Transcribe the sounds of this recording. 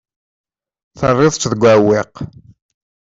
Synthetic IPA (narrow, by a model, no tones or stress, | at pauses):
θərˤːɪðˤt͡ʃðəɡʷæwɪq